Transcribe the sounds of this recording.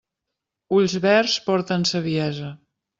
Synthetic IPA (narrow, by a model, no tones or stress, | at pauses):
uʎzβɛrspɔɾt̪ənsəβ̞iɛzə